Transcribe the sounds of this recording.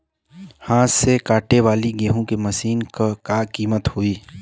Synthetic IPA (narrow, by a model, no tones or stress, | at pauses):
hãːsekaːʈeʋaːliɡeːɦõkemɐsiːnkakaːkiːmət̪hʊiː